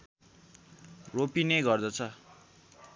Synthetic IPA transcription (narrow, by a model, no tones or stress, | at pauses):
ropinejɡʌrd̪ʌt͡sʰʌ